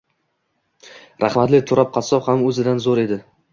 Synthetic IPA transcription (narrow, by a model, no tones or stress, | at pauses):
ɾʔaχmat̪lɪt̪ʰʊɾɒp̚qʰɑsɒphamɵzɪd̪anzoɾe̞d̪ɪ